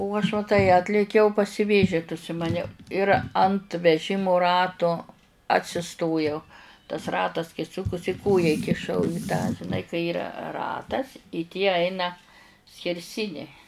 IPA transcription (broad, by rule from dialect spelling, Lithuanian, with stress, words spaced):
ʊ ɐʃ ʋɐ ˈtɐɪ ˈɑːtʲlʲeːkʲɛʊ pɐsʲɪˈʋʲeːʒʲɪt ʊʃʲsʲɪmɐˈnʲɛʊ ɪr ɐnt ʋʲɛˈʒʲɪmʊ ˈrɑːtʊ ɐtʲsʲɪˈstoːjɛʊ tɐs ˈrɑːtɐs kɐɪ ˈsʊkʊsʲɪ ˈkoːjæː ɪkʲɪˈʃɐʊ ɪ tɑː ʒʲɪˈnɐɪ kɐɪ ˈiːrɐ ˈrɑːtɐs ɪ tʲiɛ ˈɐɪnɐ sʲkʲɛrʲˈsʲɪnʲɛɪ